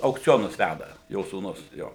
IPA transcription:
ɐʊkˈt͡sʲoːnʊs ˈʋʲædɐ ˈjoː suːˈnʊs ˈjoː

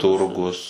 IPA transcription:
ˈtʊrɡʊs

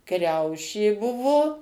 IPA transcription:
ˈkrʲɛʊʃʲeː ˈbʊʋoː

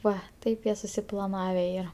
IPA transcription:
ˈʋɐ ˈtɐɪp jiɛ sʊsʲɪplˠɐˈnɑːʋʲɛ ˈiːrɐ

